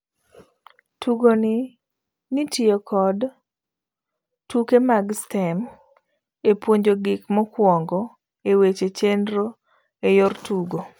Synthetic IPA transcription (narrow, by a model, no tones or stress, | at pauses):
tuɡoni | nitiokʰɔd | tukemaɡstɛm | epwoɲd͡ʒoɡɪkmɔkwɔŋɡɔ | ewet͡ʃet͡ʃendɾo | ejɔrtuɡo